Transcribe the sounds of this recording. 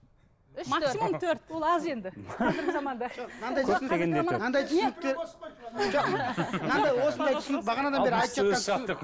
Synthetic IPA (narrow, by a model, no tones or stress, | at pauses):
ɪmasmomt̪ʰɵɾt̪wolˠɑze̞nd̪ɪɑzɪɾɡɪzɑmɑnd̪ɑʒoqnɑnd̪ɑj̪sneennɑnd̪ɑjt̪ʰsʊnək̚t̪e̞ɾ | ʒoqnɑnd̪ɑjwo̞sənd̪ɑjʰsʊnək̚bɑʁɑnɑd̪ɑnbeɾɪɑjt̪əpʒɑqɑnt̪